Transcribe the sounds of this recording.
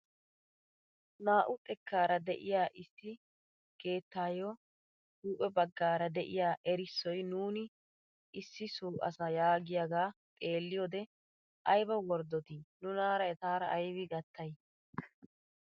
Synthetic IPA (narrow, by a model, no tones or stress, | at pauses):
naːʔʊt̪ʼɛkːaːɾɐd̪ɛʔɪjaːʔɪsːɪ | ɡ̥e̞ːt̪ːaːjo | huːʔʼɛbɐɡːaːɾɐd̪ɛʔɪjaːʔɛɾɪsːɔjnuːnɪ | ʔɪsːɪsuːʔɐ̰sɐjaːɡɪjaːɡaːt̪ʼe̞ːlːɪjoːd̪ɛ | ʔɐjbɐwɔɾd̪ɔt̪iːnʊnaːɾɐjt̪aːɾɐːjwɪɡɐt̪ːɐj